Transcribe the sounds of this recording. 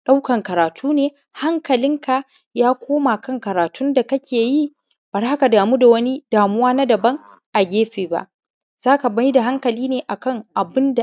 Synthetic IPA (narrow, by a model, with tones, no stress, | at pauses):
ɗa˦wkɐ˨ŋkɐ˨ɾaː˨tʰuː˦neː˨ | ha˦ŋkɐ˨lɪ˦ŋka˨ | jaː˦kʷʰoː˦ma˨kɐ˦ŋkɐ˨ɾaː˨tʰʊ˦nda˨kɐ˦kʲeː˨ji˦ | b̥ɐ˨rha˦ka˨daː˨muː˦da˨wɐ˦ni˦d̥aː˨mʊ˦waː˦na˦dɐ˨bɐ˦ŋ | ʔa˨ɡʲeː˦ɸeː˨ba̰˨ʔ | z̥aː˦ka˨bɐ˦ji˦da˨ɦa˦ŋkɐ˨liː˦neː˨ʔa˨kɐ˦ŋʔa˨bɪ˦nda˨